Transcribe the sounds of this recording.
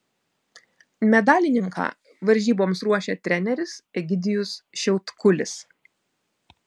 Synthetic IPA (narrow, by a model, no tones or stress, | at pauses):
mʲɛd̪ɑːlʲɪnʲɪŋkɑ̰ː | ʋɐɾʲʒʲiːboːmsɾuɔʃʲɛt̪ʲɾʲɛnʲɛɾʲɪsɪɡʲɪd̪ʲɪjʊsʃʲɛʊt̪kʊlʲɪs